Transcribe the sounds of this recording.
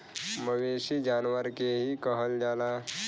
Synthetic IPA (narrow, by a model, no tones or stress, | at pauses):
məʋeːʃid͡ʒaːnʋəɾkeɦikəɦəld͡ʒaːlaː